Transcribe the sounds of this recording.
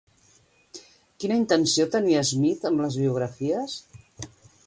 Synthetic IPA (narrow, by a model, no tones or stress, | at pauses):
kinəint̪ənsiot̪əniəzmit̪əmləzβiuɣ̞ɾəfiəs